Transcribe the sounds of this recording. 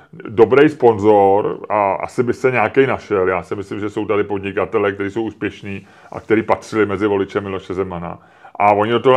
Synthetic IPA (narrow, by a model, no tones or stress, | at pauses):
do̞bɾɛjspo̞nzo̞ɾʔaʔa̰sɪbɪsɛɲaːkɛjnaʃɛljaːsɪmɪslɪmʒɛso̞wt̪adɪpo̞d̪ɲɪkat̪ɛlɛkt̪ɛɾiːsowʔuːspjɛʃniː | ʔa̰kt̪ɛɾiːpat̪r̥ɪlɪmɛzɪvo̞lɪt͡ʃɛmːɪlo̞ʃɛzɛmana̰ | ʔavo̞ɲɪdot̪oɦ